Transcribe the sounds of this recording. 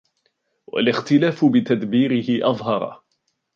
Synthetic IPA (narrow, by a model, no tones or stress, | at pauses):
wa̰lɪxt̪ɪlaːfʊbɪt̪ad̪biːɾɪhɪʔɑðˤɦɑɾˤɑ̰